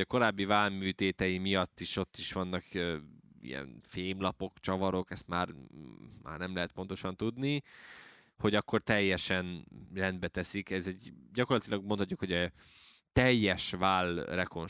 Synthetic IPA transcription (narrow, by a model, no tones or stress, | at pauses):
ɒko̞ɾaːbːivaːlmyːt̪eːt̪ɛjimijɒt̪ːiʃo̞t̪ːiʃʋɒnːɒkøḭjɛ̰nfeːmlɒpo̞kt͡ʃɒvɒɾo̞kɛst̪maːrma̰ːrnɛmlɛɦɛt̪̚po̞nt̪o̞ʃɒnt̪ud̪ni | ho̞ɟɒkːo̞rt̪ɛjːɛʃɛnrɛnd̪bɛt̪ɛsikɛzɛɟɟɒko̞rlɒt̪ilɒɡ̚monʰɒtc̬ːukho̞ɟɛ | t̪ɛjːɛʃvaːlrɛko̞n